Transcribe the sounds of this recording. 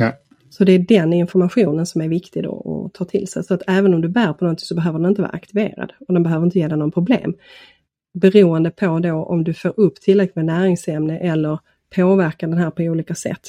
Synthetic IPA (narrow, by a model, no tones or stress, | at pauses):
sɔd̪ɛːɖɛnɪnfɔɾmaɧuːnənsɔmæɾvɪkt̪ɪɡd̪o̰ɔ̰t̪ʰɑːt̪ʰɪlsɛ̰jsɔat̪ʰɛːvənɔmd̪ɵbæːɾpʰɔnɔnt̪ʰɪŋsɔbɛɦøːvəɾɛnɪnt̪əvɑ̰ːɾa̰kt̪ɪvḛːɾa̰d̪ɔd̪ɛnbɛɦøːvəɾɪnt̪əjeːd̪ɛnɔːnpʰɾʊblḛːm | bɛɾuːənd̪əpʰɔd̪oʔɔ̰md̪ɵføːɾɵpːt̪ʰɪlːɾɛk̚lɪmɛnæːɾɪŋsɛmnəʔɛlːəɾ | pʰoːvæɾkaɖɛnɦæːɾpʰɔuːliːkasɛ̰t̪ː